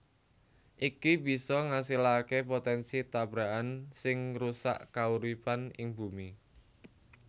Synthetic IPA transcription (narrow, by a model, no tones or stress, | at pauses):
ʔikibi̤sɔŋasilakepot̪ɛnsit̪abɾaʔansɪŋrusa̰ʔkauɾipanɪŋbumi